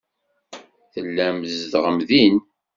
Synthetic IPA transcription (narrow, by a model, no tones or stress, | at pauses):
θəlːæməzd̪ʁəmðin